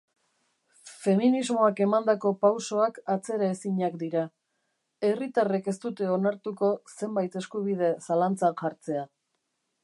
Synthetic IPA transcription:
fe̞minizmo̞ake̞mand̪ako̞pawso̞akat͡se̞ɾaesiɲakd̪iɾa | e̞rit̪areke̞st̪ut̪e̞o̞naɾt̪uko̞se̞mbajt̪e̞skuβ̞ið̞e̞salant͡sanʝaɾt͡se̞a

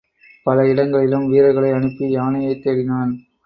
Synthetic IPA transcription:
pɐlɐɪɽɐŋɡɐɭɪlɯmʋiːɾɐɪɣɐɭɐɪɐɳɯpːijaːnɐjɐɪt̪ːeːɽɪnaːn

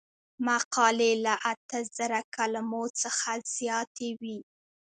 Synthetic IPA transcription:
maqɑlelaʔat̪əzəɾakalamot͡səxaz̥jɑt̪ʰewi

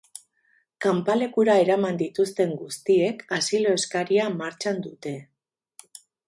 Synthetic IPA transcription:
kampale̞kuɾae̞ɾamand̪it̪ust̪e̞ŋɡust̪ie̞kasilo̞e̞skaɾiamaɾt͡ʃand̪ut̪e̞

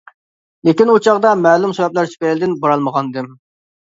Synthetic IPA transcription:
lɪkʲinut͡ʃʰɑʁd̪ɑmɛːlˠumsewɛplæɾt͡ʃ̪ʰy̥pɛlɪd̪ɪnbɑɾɑlˠməʁɑnɨd̪ɨm

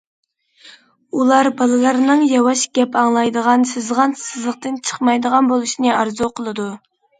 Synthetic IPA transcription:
ulˠɑɾbɑlˠɨlˠɑɾnɨŋjɑwɑʃɡ̥ʲɛpʰɑŋlˠɑjd̪əʁɑnsɨzʁɑnsɨzlˠəq̚t̪ɨnt͡ʃʰə̥χmɑjd̪əʁɑnbolˠuʃinɨɑɾzuqʰəlˠɨd̪u

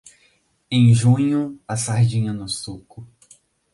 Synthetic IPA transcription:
ẽj̃ʒũɲʊasaɾd͡ʒĩɲɐnʊsukʊ

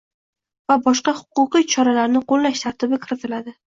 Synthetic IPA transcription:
vabɒʃqɑhʊ̥qʊqɨjt͡ʃʰɒɾalaɾnɪqolˠlaʃt̪ʰaɾt̪ɪbɪkʲʰɪɾɪt̪ʰɪlad̪ɪ

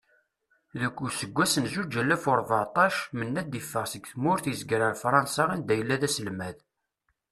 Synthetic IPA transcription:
ðəkʷːusəɡʷːæsənzud͡ʒːælːæfʊɾˤvət̪ˤɑʃmənːæd̪ifːəʁsəɡθmʊɾθjəzɡɾəɾfɾˤɑnsɑʁind̪æjəlːæðæsəlmæð

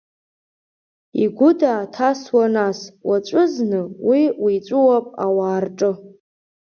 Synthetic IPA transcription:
iɡʷʊdaːtʰaswanaswat͡ʃʷʼʊznɨwiwit͡ʃʷʼʊwapʼawaːrʈ͡ʂʼɨ

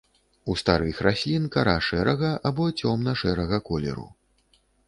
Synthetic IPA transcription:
ust̪aɾɨxrasʲlʲinkaɾaʂɛɾɐɣɐʔabɔt͡sʲɔmnɐʂɛɾɐɣɐkɔlʲɛ̰ɾṵ

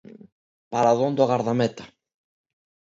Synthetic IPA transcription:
paɾaðond̪oɣaɾðamet̪ḁ

